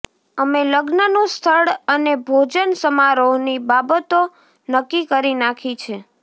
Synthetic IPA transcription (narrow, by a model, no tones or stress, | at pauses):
əmeləɡnənũst̪ʰəɭənebʱod͡ʒənsəmaɾonibabət̪o | nəkːikəɾinakʰit͡ʃʰe